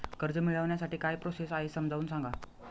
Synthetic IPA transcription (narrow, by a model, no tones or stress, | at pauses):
kəɾd͡zəmiɭəʋɳjasaʈiːkajpɾosesaɦesəmd͡zʱaʋuːnsãŋɡa